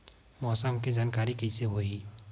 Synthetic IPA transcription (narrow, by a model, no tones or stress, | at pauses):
mɔsamked͡ʒankaɾikejseɦoɦi